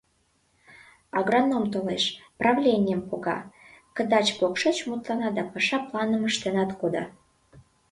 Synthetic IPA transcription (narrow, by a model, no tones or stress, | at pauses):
ɑɣronːomt̪oleʃprɑvlʲenʲɪjəmkoɣɑ̰kə̆d̪ɑt͡ɕpokʃɤt͡ɕmut̪lɑnɑd̪ɑpɑʃɑplɑnəməʃt̪enɑt̪kod̪ɑ̰